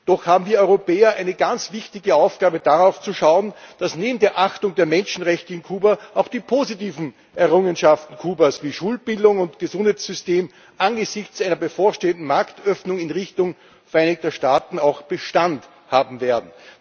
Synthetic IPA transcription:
d̥ɔxhaːbm̩viːɐɔʏʁopɛːɐʔæɪnəɡant͡sv̥ɪçtɪɡəaʊfɡ̥aːbəd̥aʁaʊft͡suʃaʊənd̥asneːbm̩deːɐʔaxtʊŋdeːɐmɛnʃn̩ʁɛçtəɪnkʰuːbɐʔaʊxd̥iːpʰoːzitiːvn̩ | ɛɐʁʊŋənʃaftn̩kʰuːbɐsviːʃuːlb̥ɪldʊŋʊntɡ̥əzʊnd̥haɛɪt͡sz̥ʏsteːm | ʔanɡəzɪçt͡sʔæɪnɐbəfoːɐʃteːəndn̩maɐktœfnʊŋɪnʁɪçtʊŋ | fɛɐʔæɪnɪk̚tɐʃtaːtn̩aʊxb̥əʃtant | haːbm̩veːɐdn̩

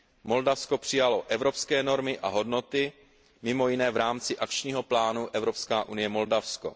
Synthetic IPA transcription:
mo̞ldafsko̞pr̝̥ɪjaloʔɛvɾo̞pskɛːno̞ɾmɪʔaɦo̞dno̞t̪ɪ | mɪmo̞jɪnɛːvɾaːmt͡sɪʔakt͡ʃɲiːɦo̞plaːnuʔɛvɾo̞pskaːʔunɪjɛmo̞ldafsko̞̰

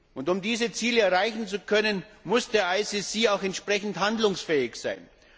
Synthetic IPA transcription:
ʔʊntʊmdiːzət͡siːləɛɐʁaɪçn̩t͡sukʰœnənmʊsd̥eːɐʔaɪsɪsiːaʊxɛntʃpʁ̥ɛçn̩thandlʊŋsfɛːɪçsa̰ɪn

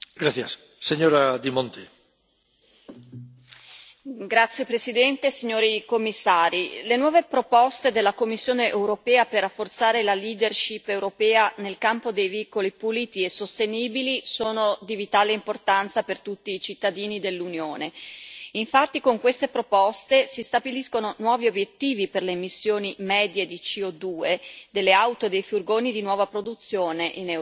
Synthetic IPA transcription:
ɡɾaθjasː | eɲoɾad̪imõnt̪e | ɡɾat̪sːjepɾesid̪ɛnt̪esiɲːoːɾikomːisːaːɾilenwɔːvepɾopɔst̪ed̪elːakomːisːjoːneʔewɾopɛːaperːafːort̪saːɾelaliːd̪erʃipːewɾopɛːanelkampod̪ejviːkolipuliːt̪iesost̪eniːbilisoːnod̪ivit̪aːleimport̪ant̪sapert̪ut̪ːiːt͡ʃit̪ːad̪iːnid̪elːunjoːneiɱfat̪ːikoŋkwest̪epɾopɔst̪esist̪abiliskononwɔːviobjet̪ːiːviperleːmisːjoːnimɛːd̪jed̪it͡ʃiod̪uːed̪elːeawt̪oed̪ejfurɡoːnid̪inwɔːvapɾod̪ut̪sːjoːneʔinɛ

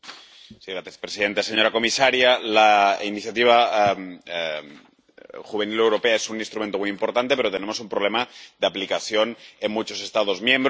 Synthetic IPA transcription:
siɣɾaθjespɾesiðe̞nt̪aseɲo̞ɾakomisaɾjalainiθjat̪iβ̞a | xuβ̞enilewɾo̞peaesuninst̪ɾument̪omujimpoɾt̪ant̪e̞peɾo̞t̪ene̞mo̞sumpɾolemaðeaplikaθjonemmːut͡ʃo̞se̞st̪aðo̞zmjẽ̞mbɾ

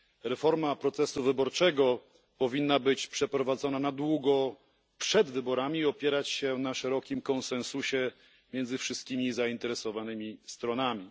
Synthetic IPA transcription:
ɾɛfɔɾmapɾɔt̪sɛsuvɘbɔɾt͡ʂɛɡɔ | pɔvʲinːabɘt͡ɕpʂɛpɾɔvad̪zɔnanad̪wuɡɔ | pʂɛd̪vɘbɔɾamʲiːɔpʲjɛɾat͡ɕɕɛnaʂɛɾɔkʲimkɔnsɛ̃nsuɕɛ | mʲjɛnzɘfʂɘst̪̚kʲimʲizaint̪ɛɾɛsɔvanɘmʲist̪ɾɔnamʲi

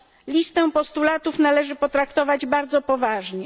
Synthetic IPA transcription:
lʲist̪ɛ̃pɔst̪ulat̪ufnalɛʐɘpɔt̪ɾakt̪ɔvad͡ʑbaɾd̪zɔpɔvaʐɲɛ

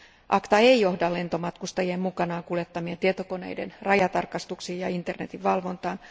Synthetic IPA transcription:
ʔɑkt̪ɑe̞ijo̞hdɑle̞nt̪o̞mɑt̪kust̪ɑjeːmmukɑnɑːŋkuljet̪ːɑmient̪iet̪oko̞ne̞̰jde̞nrɑjɑt̪ɑrkɑst̪uksiːjjɑint̪erne̞t̪iʋʋɑlʋo̞nt̪ɑːn

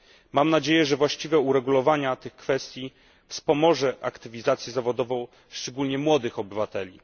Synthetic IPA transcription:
mamnad͡ʑejɛʐɛvwaɕt͡ɕivɛuɾɛɡulɔvaɲat̪ɘxkfɛst̪ʲji | fspɔmɔʐɛʔa̰kt̪ɘvʲizat̪sʲjɛzavɔd̪ɔvɔ̃w̃ | ʂt͡ʂɛɡulɲɛmwɔd̪ɘxɔbɘvat̪ɛlʲi

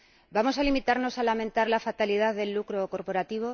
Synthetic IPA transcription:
bamo̞s̬alimit̪aɾno̞salamẽ̞nt̪aɾlafat̪aliðaððe̞lːukɾo̞ko̞ɾpo̞ɾat̪iβ̞o̞

